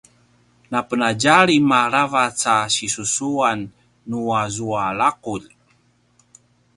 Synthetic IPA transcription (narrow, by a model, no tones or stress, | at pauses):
napənaɟaɾimaɾavat͡saɕisusuanː | uazuaɭaquʎ